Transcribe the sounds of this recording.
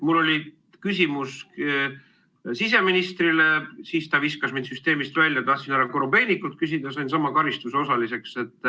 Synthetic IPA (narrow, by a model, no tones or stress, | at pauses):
mulːo̞lʲi | kysʲimus | sise̞minist̪rilesiːst̪ɑviskɑsmind̪̥syst̪e̞ːmist̪vælʲːjɑt̪ɑht̪sinæɾɑkoɾombe̞ːnʲikːult̪̚kysid̪ɑsɑjnsɑmɑkɑɾist̪useo̞sɑlise̞kse̞t̪ːˑ